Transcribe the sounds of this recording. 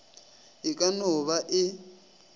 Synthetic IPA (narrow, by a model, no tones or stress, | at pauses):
ɦikʼanɔβaʔɪ